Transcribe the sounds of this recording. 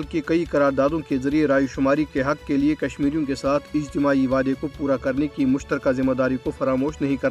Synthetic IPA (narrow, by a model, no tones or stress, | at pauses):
lkekɐikɐɾaːɾd̪aːd̪õkezɐɾieɾaːjʃʊmaːɾikeɦɐkːeliekɐʃmiːɾijõkesaːt̪ʰɪd͡ʒt̪ɪmaːiʋaːd̪ekopuːɾakɐɾnekimʊʃt̪əɾkazɪmːad̪aːɾikofɐɾaːmoːʃnɐɦĩkɐɾt̪a